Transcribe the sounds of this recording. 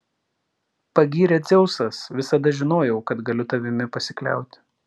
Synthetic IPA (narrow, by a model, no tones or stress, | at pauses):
pɐɡʲiːɾʲɛt̪zʲɛʊsɐsʋʲɪsɐd̪ɐʒʲɪnoːjɛʊkɐt̪ɡɐlʲʊt̪ɐʋʲɪmʲɪpɐsʲɪklʲæ̰ˑʊt̪ʲ